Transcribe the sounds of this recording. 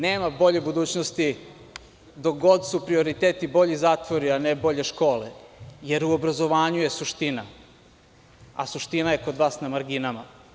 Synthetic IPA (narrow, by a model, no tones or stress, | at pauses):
neːmabo̞ʎe̞bud̪uːt͡ɕnost̪i | d̪oɡo̞d̪supɾio̞ɾit̪eːt̪ibo̞ʎizaːt̪ʋoɾianebo̞ʎe̞ʃko̞ːleje̞ɾuo̞bɾazo̞ʋaːɲuje̞suʃt̪ina | a̰suʃt̪inaje̞ko̞d̪ʋaːsnamaɾɡinama